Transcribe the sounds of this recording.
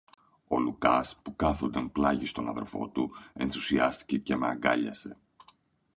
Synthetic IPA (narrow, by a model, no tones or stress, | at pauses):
o̞lukɐspukɐθond̪ɐnplɐʝist̪o̞nɐ̰ðerfo̞̰t̪ue̞nθusiɐst̪i̥ce̞ce̞meɐŋɡɐ̰ʎɐse̞̰